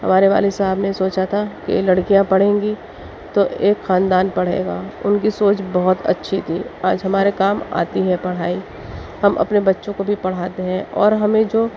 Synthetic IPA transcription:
hɐ̰maːɾeʋa̰ːlɪsɐabnesoːt͡ʃat̪ʰakḛlɐɽkijãpɐɽ̤ẽːŋɡi | t̪oʔeːkxaːnd̪aːnpɐɽ̤ḛːɡaːʊnkisoːt͡ʃbɐɦʊt̪ɐ̰tːʃʰit̪ʰiːaːd͡ʒɦɐmaːɾekaːma̰ːt̪iɦɛpɐɽ̤aːi | hɐmʔɐ̰pnebɐtːʃõkobʱipɐɽ̤aːt̪eɦɛ̃ɔːɾɦɐmẽd͡ʒoː

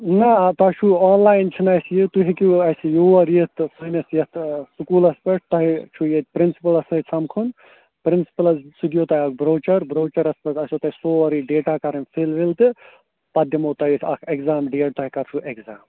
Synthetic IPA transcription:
nɐt̪ɐt͡ʃʰuaːnlaːjnt͡ʃʰinɐjsijit̪uɦikiɐsijoːɐɾijit̪sunɐsjɐt̪sukuːlɐspeʈt̪ɐɦit͡ʃʰujet̪̚ʲpɾinsi̥pɐlɐsɐit͡sʰɐmkʰun | pɾinsi̥pɐlɐsud̪ijoːt̪ɐɐkbɾoːt͡ʃɐɾbɾoːt͡ʃɐɾɐspɐʈɐsot̪ɐisoːɐɾiɖeːʈaːkɐɾɐnfʰelʋilt̪ɨ | pɐd̪ʱjɐmoːt̪ɐjit̪ʰɐkʰekzaːmɖeːɽt̪ɔɦikɐɾt͡ʃʰuʔekzaːm

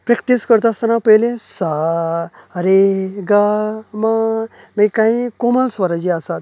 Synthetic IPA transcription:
pɾəkʈ̪iskəɾt̪ast̪ənapəjlesa | əɾeɡama | mikaɦĩkɔməlsʋəɾad͡ʑiasat̪

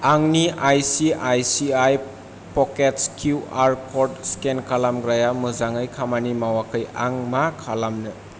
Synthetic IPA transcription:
aŋniʔajsiajsiaj | pɔketskʰjuaɾkʰɔɾdskenkʰalamɡɾajamɯzaŋɯjkʰamanimawakʰɯjaŋmakʰalamnɯ

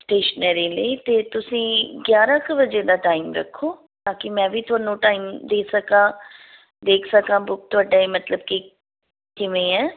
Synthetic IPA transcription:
sʈeːʃnɛːɾeːləit̪eːt̪ʊsĩːɡjaːɾãːkbəd͡ʒeːd̪aːʈaːimɾə̰kʰːoː | t̪ãːkɪmɛ̃ːʋiːt̪ʰʊaːnũːʈaːiːmd̪eːsəkãː | d̪eːkʰsəkãːbʊk̚t̪ʊaːɖaemət̪ləb̚ki | kɪʋẽːɛː

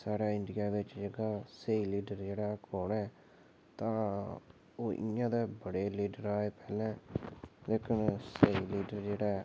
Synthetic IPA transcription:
saːɽaːɪ̃ɳɖijaːʋɪt͡ʃd͡ʒeɡaːseːiːliːɖəɾd͡ʒeːɽaːkoːɳɛː | t̪ãː | oːʔɪ̰jãːd̪eːbəɽeːliːɖəɾaːeːpɛːlɛ̃ːleːkʰənseːiːliːɖəɾd͡ʒeːɽaː

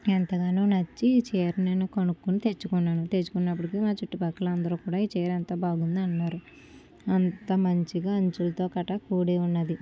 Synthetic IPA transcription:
ent̪ɐɡaːnunɐt͡ʃːit͡ʃɛːɾineːnukɐnukːunit̪e̞t͡ʃːukunːaːnut̪et͡ʃːu̥kunːɐp̬ːuɽikimaːt͡ʃuʈːibɐkːɐlɐɐnd̪ɐɾuːkuːɽaːiːt͡ʃɛːɾɐnt̪ɐbaːɡund̪ɐnːaːɾu | ɐnt̪ɐmɐɲt͡ʃiɡaːɐɲt͡ʃulɐt̪o̞ːkɐʈɐkuːɽeːunːɐd̪i

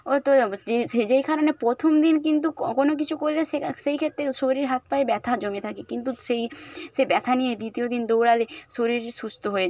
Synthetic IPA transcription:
ot̪oeed͡ʑejkaɾonepɾot̪ʰomd̪inkint̪ukonok̬it͡ɕʰukoɾleʃeʃejkʰet̪ːɾeʃoɾiɾɦat̪̚paebɛt̪ʰad͡ʑomet̪ʰakekint̪uʃejʃebɛt̪ʰanijed̪it̪iod̪ind̪owɽaleʃoɾiɾʃust̪oɦoe

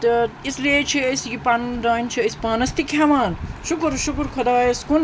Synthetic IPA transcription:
t̪ʌeslet͡ʃʰiesɡipaːnud̪aːint͡ʃʰiespaːnɐst̪ikʰamaːnʃukɾʃukɾkʰɐd̪ajeskun

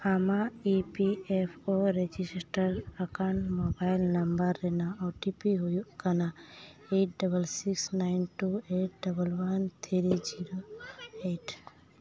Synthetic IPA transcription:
amaipiepʰoɾed͡ʒissʈəɾəkãɳʈmobaɪlnɐmbəɾːenaɔːʈipiɦojukanaeʈ̚ɖɐbəlsiksnaɪnʈueːʈ̚ɖɐbəlʋɐnt̪ʰiɾid͡ʒiɾoeʈ

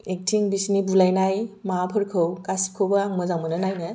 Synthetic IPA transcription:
ek̚tʰiŋbisnibulajnajmapʰɯɾkʰɯwkasi̥kʰowbaaŋmɯzamɯnɯnajnɯ

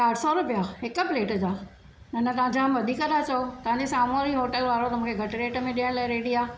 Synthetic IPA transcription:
kaːɽsɔɾʊpijaːɦɪkəpleːʈəd͡ʑaː | nɐnɐt̪ɐʋɦãɲd͡ʑamʋɐd̪ʱiːkəɗ̪aːt͡ɕɐot̪ɐʋ̤ãɲd͡ʑesaːmoɾiɦoːʈəlʋaːɾot̪ɐm̤ũːkʰeɡʱɐʈɾeːʈəmẽɗiə̃ɽ̃laːɪɾeːɽiaː

